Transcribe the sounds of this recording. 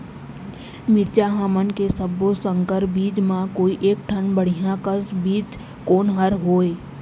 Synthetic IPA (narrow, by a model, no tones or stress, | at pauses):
mɪɾt͡ʃaːɦaːmənkesəbosə̃ŋkəɾbiːd͡ʒmãkoːiʔeːk̚ʈʰənbəɽ̤ijãkəsbiːd͡ʒ | koːnɦəɾɦoːeː